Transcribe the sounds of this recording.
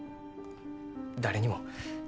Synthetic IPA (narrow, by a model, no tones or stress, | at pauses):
d̪aɾeɲ̟imo